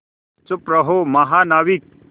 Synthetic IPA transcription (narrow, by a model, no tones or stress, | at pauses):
t͡sʊpɾɐɦomɐɦaːnaːʋik̚